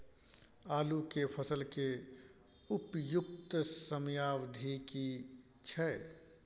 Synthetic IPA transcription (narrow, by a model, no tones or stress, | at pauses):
aːlukepʰəsəlke | ʊpjʊk̚t̪səmjaːʋd̪ʱiki | t͡ʃʰɛ